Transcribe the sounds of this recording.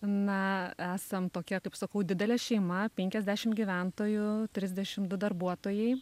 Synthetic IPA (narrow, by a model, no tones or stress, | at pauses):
nɐæːsɐmt̪oːkʲɛkɐɪpsɐkɐʊd̪ʲɪd̪ʲɛlʲɛʃʲɛɪmɐpʲɛŋʲkʲɛzʲd̪ʲæːʃʲɪmɡʲiːʋʲænt̪oːjʊt̪ʲɾʲɪzʲd̪ʲɛʃʲɪmd̪ʊd̪ɐrbuɔt̪oːjɛɪ